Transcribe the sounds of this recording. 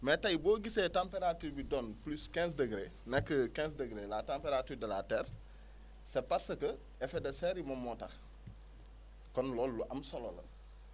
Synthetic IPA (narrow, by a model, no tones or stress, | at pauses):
metajboːɡisetãmpeɾatuːɾbidɔːnpluskɛ̃ns̬dəɡɾeːnɛkːəkɛ̃ːnsdəɡɾeːlatãmpeɾatuːɾdɐlatɛːɾ | sepaɾsəkə | ɛfedɐsɛɾimɔmːɔtɐ̰x | kɔnlɔːlːuʔɐmsɔlolə̰n